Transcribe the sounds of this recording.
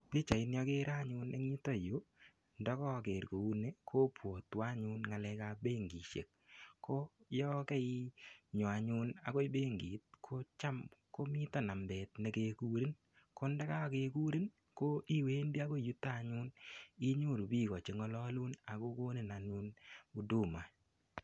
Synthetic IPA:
pi˦t͡ʃa˨ɪ˧njɔ˧ke˦ɾa˦ɲʊ˧ne˦ŋɲi˦tɔ˦˨jo˦ | ndɔ˦kɔ˦ke˨ɾko˨u˦ne˦kʰo˦pwo˨twa˦ɲʊ˦nŋa˨lɛ˧ka˦be˦ŋɡi˨ʃḛ˨k̚ | kʰːo˦jɔ˦kɛ˦iɲɔ˨a˨ɲʊ˦na̰˨ko˦i˦be˦ŋɡi˨t̚kʰo˦t͡ʃa˦mko˦mi˦tɔ˦˨na˨mbɛ˨tne˨ke˨ku˦ɾi˦n | ko˦nda˦ka˦˨ke˨ku˦ɾi˦n | ko˦ʔi˦we˦nbi˦a˦ko˦˨ju˦ta˦˨ɲʊ˦ni˦ɲu˦˨ɾu˨bi˦kɔ˨t͡ʃe˨ŋɔ˦lɔ˦lu˦na˨ko˦ko˦ne˨na˨nu˦nu˨du˦˨ma˨

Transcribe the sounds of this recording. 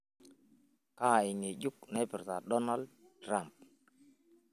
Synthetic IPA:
ka˦˨i˨ŋe˨ɟu˦k̚nɛ˦pɪ˨ɾta˨ɗɔ˦na˦ld̚ | tɾa˦˨mp̚

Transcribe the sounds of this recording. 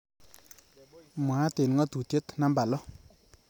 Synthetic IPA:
ma˨˦t̪e˨n˨ŋʌ˦t̪u˨t̪je˦t̪na˥˦mba˨lɔ˦

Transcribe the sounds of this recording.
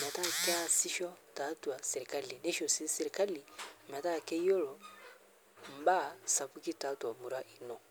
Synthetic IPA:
mɛ˨ta˦˨kɛ˦a˦si˦ʃɔ˦ta˨˦tu˨a˨sɛ˨ɾi˨ka˦li˨nɛ˦ʃo˨si˦sɛ˨ɾi˨ka˦li˨mɛ˨ta˦˨kɛ˦jɔ˦lɔ˨ | m̩˨˦ba˦˨sa˨pu˦ki˦ta˨˦tu˨a˨mu˨ɾa˦ʔi˨nɔ˨

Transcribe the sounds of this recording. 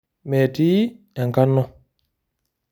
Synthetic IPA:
mɛ˨tiː˦ | a˨ŋka˦nːɔ˦

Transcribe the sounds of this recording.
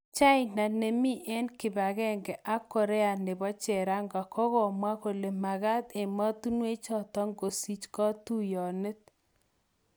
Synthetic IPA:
t͡ʃa˦ɪ˦na˨ne˨mi˦ʔe˦nkɪ˨ba˨ɣɛ˦ŋɡɛ˨ʔa˦kːɔ˨ɾɛ˦a˨nɪ˨bɔ˦t͡ʃɛ˨ɾa˦ŋɡa˨kɔ˦ɣɔ˨mwa˦ko˨le˨ma˨ɣa˦t̪e˨ma˦t̪u˦nwe˦t͡ʃɔ˨t̪ɔ˦ŋɡo˨si˦t͡ʃkɔ˦tu˦jɔ˨ne˦t̪̚

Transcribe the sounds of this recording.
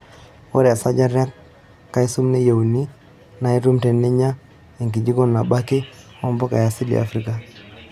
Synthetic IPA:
wo˦ɾɛ˨a˨sa˦ɟa˦ɾja˦kː | a˦i˦su˦mne˦ja˨u˨ni˦ | na˨i˦tu˦mte˨nːe˦ɲa˦ | e˨ŋki˨d͡ʒi˦ko˦nːa˨ba˦ke˦ | ɔ˦mbɔ˦ka̰˨ja˨si˦lḭ˨a̰˨fɾi˦ka˨

